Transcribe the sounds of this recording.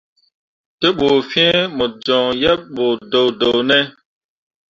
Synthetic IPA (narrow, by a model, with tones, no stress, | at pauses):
te˦ɓoː˨fɛ̃˦mo˨d͡ʒɔ̃˨jɛ˦p̚ɓo˨do˨wdo˨wnɛ˦